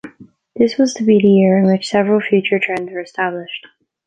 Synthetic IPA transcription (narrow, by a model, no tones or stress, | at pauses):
ðɪswʌz̥tʰɨbiðɨjɪɹɨ̃nwɪt͡ʃsɛvɹl̩ˠfjʉt͡ʃə˞tʰɹ̥ɛ̃ndzwə˞ɨstæblɪʃt